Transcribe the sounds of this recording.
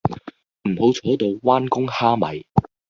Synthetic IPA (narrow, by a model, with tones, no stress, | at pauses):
m̩˨˩ho˨˧wt͡ʃʰɔː˨˥t̪o˨˧wwaː˥nkʊ˥ŋhaː˥mɐ̰˨j